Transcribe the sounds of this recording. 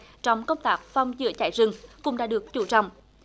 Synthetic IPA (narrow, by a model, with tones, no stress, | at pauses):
t͡ɕɔ˧wŋ͡mkə˧wŋ͡mt̪aː˦˥k̚fɔ˨˧wŋ͡mzɨ̰˧˥ət͡ɕa̰ː˧˩jzɨ˧˩ŋkʊ̰˧˥ŋ͡mɗa̰ː˧˥ɗɨ˨˩ək̚t͡ɕu˧˩t͡ɕɔ̰˧˨wŋ͡m